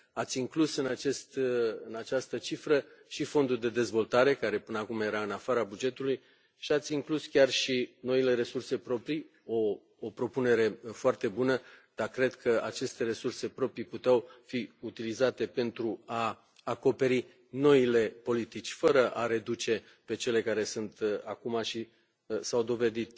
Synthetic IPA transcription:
at̪sʲiŋklusɨnat͡ʃe̞st̪ɨnat͡ʃast̪ət͡ʃifɾəʃifo̞nd̪uld̪e̞d̪e̞zvo̞lt̪aɾe̞kaɾe̞pɨnəakumje̞ɾaɨnafaɾabud͡ʒe̞t̪uluj | ʃiat̪sʲiŋkluskʲarʃino̞ile̞ɾe̞surse̞pɾo̞pɾi | o̞ː | pɾo̞pune̞ɾe̞foart̪e̞bunəd̪̥akɾe̞d̪kʰəat͡ʃe̞st̪e̞ɾe̞surse̞pɾo̞pɾiput̪eawfiut̪ilizat̪e̞pe̞nt̪ɾuaː | ko̞pe̞ɾi | no̞ile̞po̞lit̪it͡ʃʲfəɾəʔaɾe̞d̪ut͡ʃe̞ | pe̞t͡ʃe̞le̞kaɾe̞sunt̪akumaʃi | sawd̪o̞ve̞d̪it̪

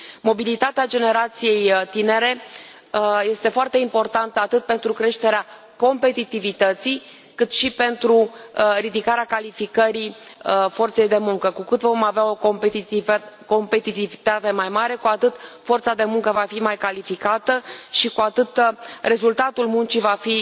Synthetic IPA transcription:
mo̞bilit̪at̪ead͡ʒe̞ne̞ɾat̪sije̞jt̪ine̞ɾe̞ | je̞st̪e̞foart̪e̞impo̞rt̪ant̪əat̪ɨt̪̚pe̞nt̪ɾukɾe̞ʃt̪e̞ɾea | ko̞mpe̞t̪it̪ivit̪ət̪si | kɨt̪ʃipe̞nt̪ɾurid̪ikaɾeakalifikəɾifo̞rt̪se̞jd̪e̞muŋkəkukɨt̪vo̞maveao̞k | ko̞mpe̞t̪it̪ivit̪at̪e̞majmaɾe̞kuat̪ɨt̪fo̞rt̪sad̪e̞muŋkəvafimajkalifikat̪əʃikuat̪ɨt̪re̞zult̪at̪ulmunt͡ʃivafi

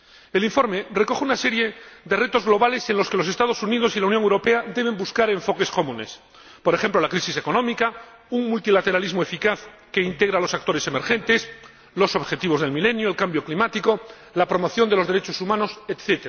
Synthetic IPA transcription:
eliɱfo̞ɾme̞re̞ko̞xeunase̞ɾje̞ðe̞re̞t̪o̞zɣlo̞βale̞se̞nlo̞skelo̞se̞st̪að̞osunið̞o̞silaunjoŋewɾope̞ad̪e̞β̞e̞mbuskaɾe̞ɱfo̞ke̞sko̞mũne̞s | po̞ɾexe̞mplo̞lakɾisise̞ko̞nõ̞mika | uŋmult̪ilat̪e̞ɾalizmoefikaθ | ke̞int̪e̞ɣɾalo̞sak̚t̪o̞ɾeseme̞ɾxe̞nt̪e̞s | lo̞so̞βxe̞t̪iβozðelmile̞njoelkambjo̞klimat̪iko̞ | lapɾo̞mo̞θjo̞nd̪elozðe̞ɾe̞t͡ʃo̞sumãno̞set̪θet̪eɾa

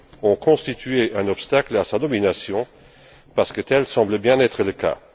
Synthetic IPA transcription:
ɔ̃kʰɔ̃st̪it̪ɥeʔɛ̃nɔpst̪aklasad̪ɔminasjɔ̃ | paʁsə̥kət̪ɛlsɑ̃bləbjɛ̃nɛt̪χələka̰

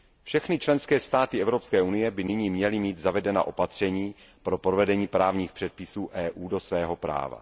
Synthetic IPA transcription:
fʃɛxnɪt͡ʃlɛnskɛːst̪aːt̪ɪɛvɾo̞pskɛːʔunɪjɛbɪnɪɲiːmɲɛlɪmiːt̪zavɛdɛna̰ːʔo̞pat̪r̝̥ɛɲiː | pɾo̞pɾovɛdɛɲiːpɾaːvɲiːxpr̝̥ɛt̪̚pɪsuːʔɛːʔuːdo̞svɛːɦo̞pɾa̰ːva̰

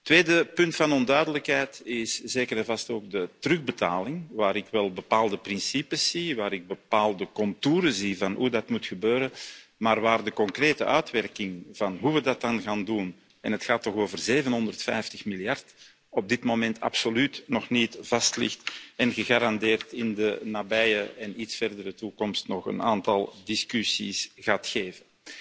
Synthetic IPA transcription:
tːʋeːdəpʏntfɑnɔndœɥdələkɦɛjtɪszeːkəɾɛnvɑstoːɡ̚dətərɵɣbəta̰ːlɪŋʋaːɾɪkʋɛlˠbəpaːlˠdəprɪnsipəsːiʋaːɾɪɡ̚bəpaːlˠdəkɔntuːɾəzivɑnɦudɑtmutxəbøːɾənmaːrʋaːrdəkɔŋkreːtə̰ʔœɥtʋɛrkɪŋv̥ɑnɦuʋədɑt̚ɑnɣaːndun | ɛ̰nətxaːtːɔxoːvərzeːvənɦɔndərtfɛ̰jftəxmiljɑrt | ɔb̚dɪtmoːmɛntʰɑ̰psolytnɔxnitv̥ɑstlɪ̰xtɛnɣəɣaːɾɑndeːrtɪndənabɛjəɛnitsfɛrdəɾətukɔmstnɔχə̰naːntɑlˠdɪskysisɣaːtxeːvən

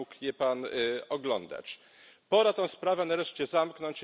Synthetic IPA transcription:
ukjɛpanɔɡlɔnd̪a̰t͡ɕ | pɔɾat̪ɔ̃w̃spɾavɛnaɾɛʂt͡ɕɛzamknɔɲt͡ɕ

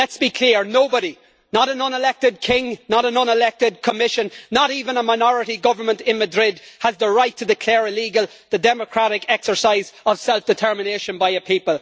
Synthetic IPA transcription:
lɛtsb̥ikʰl̥ɪɹnoʊbəɾi | nəɾə̃nʌ̃nɪlɛk̚tɪd̚kʰɪ̃ŋnəɾə̃nʌ̃nɪlɛk̚tɪd̚kʰəmɪʃə̃nnəɾiːvə̃nəmaɪnɔɹɪɾiɡʌvə˞mə̃ntɪ̃nmədɹɪd̚əzðəɹaɪtʰədɪkʰl̥ɛːɹəliːɡəlˠ | ðədɛməkʰɹ̥aɾɪkʰɛksə˞saɪzəv̥sɛlˠfd̥ɨtʰɜ˞mɪneɪʃə̃nbaɪəpʰipəlˠ

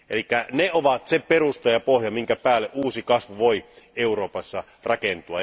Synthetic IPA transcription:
elikːæneoʋɑt̪seperust̪ɑjɑpohjɑmiŋkæpæːlːeʔuːsikɑsʋuʋoieuroːpɑsːɑ | rʔɑkent̪uɑ

